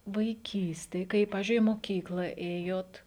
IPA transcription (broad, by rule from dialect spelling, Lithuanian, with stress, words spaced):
ʋɐɪˈkʲiːsʲtʲeːj ˈkɐɪ ˈpɑːʋʲɪzʲd͡ʒʲʊɪ ɪ moːˈkʲiːklˠɐ ˈeːjoːt